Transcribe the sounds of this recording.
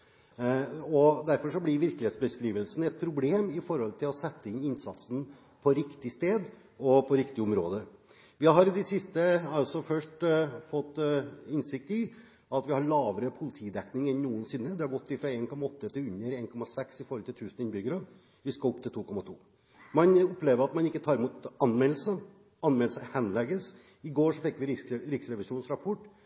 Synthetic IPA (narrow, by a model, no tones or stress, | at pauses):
ɔd̪æɾfɔʂɔblɪɾʋɪɾklɪeːt̪sbəskɾiːʋəlsn̩ɛt̪̚pʰɾʊbleːmɪfɔɾhɔlt̪ʰɪlɔsɛt̪ːəɪnɪnsɑt̪sn̩ | pʰɔɾɪkt̪ɪst̪eːd̪ | ɔpʰɔɾɪkt̪ɪʊmɾoːd̪ə | ʋɪɦɑɾɪd̪ɛsɪst̪əɑlsɔfœʂʈfɔt̪ːɪnsɪk̚t̪ɪ | ɑt̪ʋɪhɑɾɭɑːʋəɾəpʰʊlɪt̪ʰiːd̪ɛknɪŋɛnnːuːənsɪnːəd̪ɛhɑɾɡɔt̪ːɪfɾɑeːnkʰɔmɑɔt̪ːət̪ʰɪʉnːəɾeːnkʰɔmɑsɛksɪfɔɾɔlt̪ɪlt̪ʰʉːsnəɪnbʏɡəɾɑ | ʋɪskɑʊpt̪ʰɪlt̪uːkɔmɑt̪ʰṵː | mɑnʊpːleːʋəɾɑt̪mɑnɪkːət̪ʰɑːɾɪmuːt̪ɑnmɛlləsə | ɑnmɛləsəhɛnlɛɡəs | ɪɡoːʂɔfɪkːʋɪɪɾɪksɾɛʋɪsuːnsɾɑpʰɔʈː